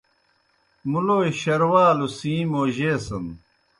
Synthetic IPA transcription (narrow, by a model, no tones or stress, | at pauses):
muloːiɕɐɾwaːlusĩːmoːʑeːsɐn